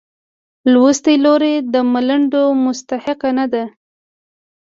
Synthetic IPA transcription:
lwust̪əloɾed̪əmaləɳɖomʊst̪ahɪqanad̪a

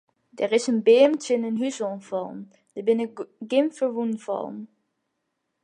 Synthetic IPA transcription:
dɛɹɪsənbeːmtənənɦysɔnvɔlˠm | d̥əbɪnəɡɪmfəɹʋunvɑ̰lˠm

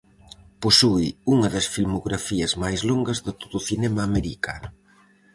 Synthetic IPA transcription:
posuiuŋɐðɐsfilmoɣɾafiɐzmajzloŋɡɐzðɪt̪oðʊθinɛmaːmeɾikanʊ

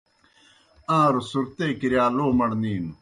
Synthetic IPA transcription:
ãːɾusuɾt̪eːkiɾjaːloːmɐɽniːnu

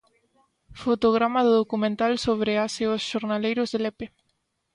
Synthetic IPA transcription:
fot̪oɣ̞ɾamaðɪðokumẽnt̪alsoβɾeaseosʃoɾnalejɾʊzðelepe

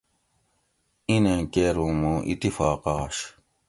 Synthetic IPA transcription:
inẽkeɾumũʔḭt̪ifaːqɑːʃ

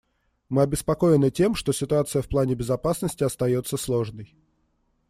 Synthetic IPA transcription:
mɨɐbʲɪspɐko̞jɪnɨtʲe̞mʂt̪o̞sʲɪt̪ʊat̪sɨjəfplˠanʲɪbʲɪzɐpasnəsʲtʲɪɐst̪ɐjo̞t̪sːəslˠo̞ʐnəj

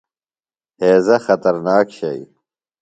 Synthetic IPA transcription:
heːzɐxɐt̪ɐɾnaːkɕɐi

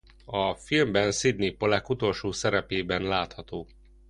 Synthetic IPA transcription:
ɒfilmbɛnsid̪̚nipolɛkut̪o̞lʃoːsɛɾɛpeːbɛnlaːt̪hɒt̪oː

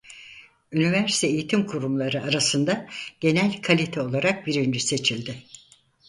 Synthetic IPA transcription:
ynivæɾsi̥t̪ʰɛːjit̪ʰimkʰuɾumlˠaɾɯaɾasɯnd̪aɟ̥e̞nælʲkʰalʲit̪ʰɛo̞lˠaɾak̚biɾynd͡ʒyse̞t͡ʃʰilʲd̪ɪ

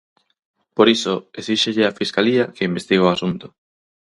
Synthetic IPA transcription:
poɾisʊesiʃeʎɪafiskaliɐkeimbest̪iɣoasunt̪ʊ̥

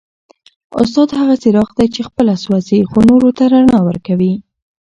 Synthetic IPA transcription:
ʊ̰s̬t̪ɑd̪haɣasɪɾɑxd̪ajt͡ʃexpəlaswazixonoɾot̪aɾanɑwə̰ɾkawi

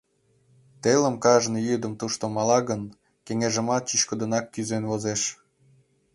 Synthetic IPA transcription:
t̪elə̆mkɑʒnijyd̪ə̆mt̪uʃt̪omɑlɑɣən | keŋeʒə̆mɑt̪̚t͡ɕit͡ɕkod̪ənɑkːyzenvozeʃ

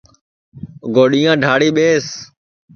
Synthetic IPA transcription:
ɡoːɗiːjãːɖʱaːɽiːɓeːs

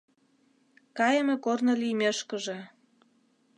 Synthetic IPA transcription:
kɑjəmekornolijmeʃkə̆ʒĕ

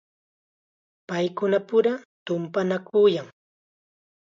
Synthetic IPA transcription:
pajkʊnapʊɾat̪ʊmpanakujaŋ

